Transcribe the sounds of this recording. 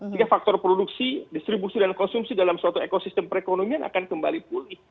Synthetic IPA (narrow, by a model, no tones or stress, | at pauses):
siɡafak̚t̪ɔrpɾoduksidist̪ɾibusidankɔnsumsidalamsuat̪uekosist̪əmpəɾekonomianʔa̰kankəmba̰lipulɪh